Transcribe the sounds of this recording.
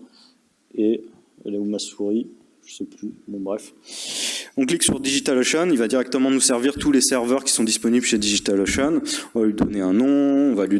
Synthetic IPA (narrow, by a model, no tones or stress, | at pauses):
e | ɛ̰lɛumasuʁi | ʒ̥əsɛplybɔ̃bʁɛf | ɔ̃kliksyʁd̪iʒit̪aloʃɔnilvad̪iʁɛk̚t̪əmɑ̃nusɛʁviʁt̪ulesɛʁvœʁkʲi̥sɔ̃d̪ispɔniblʃed̪iʒit̪aloʃanɔ̃valɥid̪ɔneɛ̃nɔ̃ɔ̃vali